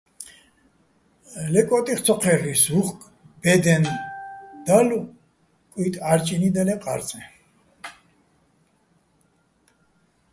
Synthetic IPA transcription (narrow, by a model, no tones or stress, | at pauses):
lɛkʼɔt̪ʼiχt̪sʰɔqʰɛɾːisuχkʼ | b̥ɛd̪ɛn | d̪̥alu | kʼwit̪ʼaɾt͡ʃʼinid̪alɛqʼa̰ɾt͡sʼɛ